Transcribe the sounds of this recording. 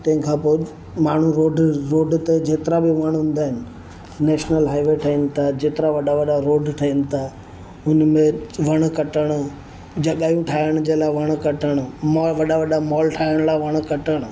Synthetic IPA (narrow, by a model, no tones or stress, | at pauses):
t̪ɐ̃ɦɪ̃kʰãːpoːɪ | maːɳ̤uɾoːɖɾoːɖt̪ed͡ʑeːt̪ɪɾabɪʋaɽ̃ɦʊ̃ːn̆d̪aːɦɪnɪ̆ | nɛːʃnəlɦaːɪʋeʈʰɐinɪ̆t̪ʰad͡ʑeːt̪ɪɾaʋɐɗaʋɐɗaɾoːɖʈʰɐinɪ̆t̪ʰa | ʊnmẽʋɐɽ̃kɐʈəɽ̃ʊ | d͡ʑɐɠaːjũʈʰaːɦɪɽ̃d͡ʑeːlaːɪʋɐɽ̃̆kɐʈəɽ̃mɔʋɐɗaʋɐɗamɔːlʈʰaːɦɪəɽ̃laːɪʋɐɽ̃̆kɐʈəɽ̃ʊ̆